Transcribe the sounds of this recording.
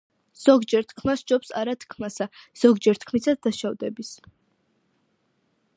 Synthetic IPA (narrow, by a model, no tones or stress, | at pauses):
z̥ɔɡd͡ʒɛɾt̪ʰkʰmasd͡ʒɔpsa̰ɾat̪ʰkʰmasaz̥ɔɡd͡ʒɛɾt̪ʰkʰmisad̪̚ːaʃavd̪ɛbis